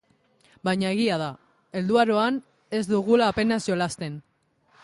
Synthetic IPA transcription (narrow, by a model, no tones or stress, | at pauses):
bajɲae̞ɣ̞iað̞a | e̞ld̪uaɾo̞an | e̞zd̪uɣulaːpe̞nasjolast̪e̞n